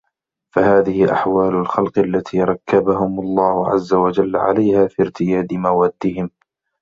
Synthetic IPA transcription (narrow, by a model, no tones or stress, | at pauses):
fahaːðɪhɪʔa̰ħwaːlʊlxɑlqʔalːat̪ʰiːɾˤɑkːabaɦʊmlˤːɑːhʊʕa̰zːawad͡ʒalːʕa̰lajhaːfiːɾt̪ʰɪjaːd̪ɪmawaːd̪ːɪhɪm